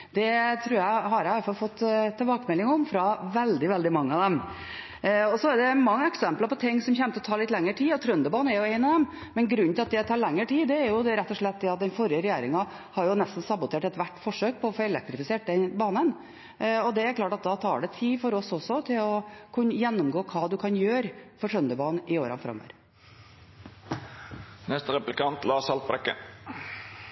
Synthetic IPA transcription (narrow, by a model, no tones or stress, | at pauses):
d̪̥ɛt̪ʰɾʉːɾjæɪɦɑɾjæʋɑlfɑlfɔt̪ːt̪ʰːɛlbɑːkəmɛlːɪŋɔmfɾɑʋɛld̪ɪʋɛld̪ɪmɑŋːəɑd̪ɛm | ɔsɔɛɖɛmɑŋːəɛksɛmplɑɾpɔt̪ʰɪŋːsɔmçɛːmət̪ʰɔt̪ʰɑːɭɪt̪lɛŋːəʈʰiːɔt̪ʰɾœnd̪əbɑːnəɛɾjʊɛɪnɑʋd̪ɛm | mɛnɡɾʉnːt̪ɪlɑt̪d̪ɛt̪ʰɑːɾɭɛŋːəʈʰiːd̪ɛːɾjʊd̪ɛɾɛt̪ːɔʂɭɛt̪̚d̪ɛɑt̪̚d̪ɛnfɔɾjəɾɛjeːɾɪŋɑ | hɑɾjʊnɛst̪n̩sɑbʊt̪ʰeːʈɛt̪ʋæʈːfɔʂøːk̚pʰɔːfoːɛlɛk̚t̪ɾɪfɪseːʈ̚d̪ɛnbɑːnən | ɔd̪ɛæɾklɑːʈɑt̪̚d̪ɑt̪ʰɑ̰ːɖɛt̪ʰiːfɔɾɔsɔsɔt̪ʰɪlɔkʰʉnːəjɛnːʊmɡoːkʰɑːd̪ʉkʰɑnjøːɾfɔʈʰɾœnd̪əbɑːnʔɪoːɾɑ̰nfɾɑ̰mːo̰ʋɾ | nɛst̪əɾɛplɪkɑnt̪lɑːsɑlt̪̚bɾɛkːə̰